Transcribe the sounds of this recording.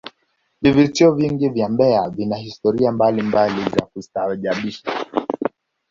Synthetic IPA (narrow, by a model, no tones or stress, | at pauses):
vivitiɔviŋɡivjambɛavinahistɔɾiambalimbalizakusaʄaɓiʃa